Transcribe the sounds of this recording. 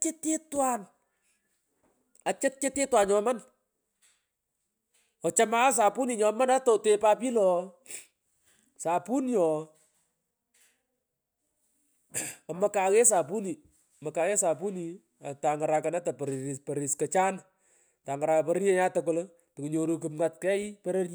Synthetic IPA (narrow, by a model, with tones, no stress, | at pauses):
t͡ʃe˦te˦twa˦˨n | a˨t͡ʃɪ˦t̚t͡ʃe˦te˦twa˨nɲɔ˦ma˦n | ɔ˨t͡ʃa˦ma˦s̬a˨pu˦ni˨ɲɔ˧ma˦na˦tɔ˨te˦pa˦pi˦lɔ˨ | sa˨pu˦njɔ˨ | ɔ˨ma˨ka˨ɣɛ˦sa˨pu˦ni˨ | ɔ˨mɐ˨ka˨ɣɛ˦sa˨pu˦ni˨ | ata˨ŋɡa˨ɾa˨ka˨na˦ta˨pɾpɛ˨ɾi˨skɐ˨t͡ʃa˦n | ta˨ŋɡa˨ɾa˨ka˨pɛɾe˦ɾjɛ˦ɲa˦tɐk̬ʊl | tə˨ku˨ɲo˨ɾu˨k̬ɨ˨pŋa˨t̚kɛ˦i˦pɛ˦ɾe˦rɲi